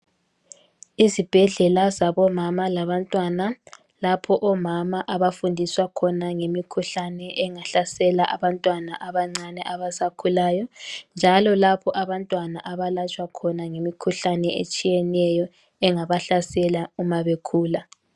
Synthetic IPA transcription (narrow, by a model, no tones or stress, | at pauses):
izib̥ʱɛɮɛlazaβɔmamalaβantʼwana | lapʰɔʔɔmamaʔaβafundʱiswakʰɔnaŋemikʰuɬanɛʔɛŋaɬasɛlaʔaβantʼwanaʔaβaŋ͡ǀanɛʔaβasakʰulaːjɔnd͡ʒʱalɔlapʰɔʔaβantʼwanaʔaβalat͡ʃʼwakʰɔnaŋemikʰuɬanɛʔḛt͡ʃʼijɛnɛjɔ | ɛŋaβaɬasɛlaumaβekʰuːla